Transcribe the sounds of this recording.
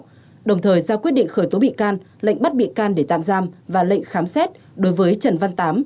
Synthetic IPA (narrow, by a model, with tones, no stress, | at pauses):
ɗə˨˩wŋ͡mt̪ʰəː˨˩jzaː˧kwi˦˥ət̚ɗḭ˧˨ŋ̟xəː˧˩jt̪o˨˦ɓḭ˧˨kaː˧n | lə̰˧˨ŋ̟ɓa˦˥t̚ɓḭ˧˨kaː˧nɗe˧˩t̪a̰ː˧˨mzaː˧mvaː˨˩lə̰˧˨jŋ̟xaː˨˦msɛ˦˥t̚ | ɗo˨˦jvəː˨˦jt͡ɕə˨˩nva˧nt̪aː˨˦m